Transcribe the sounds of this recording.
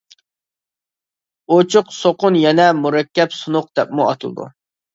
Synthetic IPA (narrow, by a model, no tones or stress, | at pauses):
ot͡ʃʰʊqsoqʊnjɛnɛmuɾɛkʲːɛpsunʊq̚d̪ɛpmuɑt̪ʰɨlˠd̪ṵ